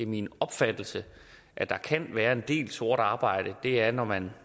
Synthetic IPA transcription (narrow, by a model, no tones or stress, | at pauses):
eminɒ̽b̥fæd̥l̩sə | ʔæd̥ɑ̈kʰænʋæːɐe̝nd̥e̝̰ːlso̝ɐɾ̥ɑ̈ːb̥ɑ̈ɪ̰ɾ̥əd̥e̝æɐnɒmæn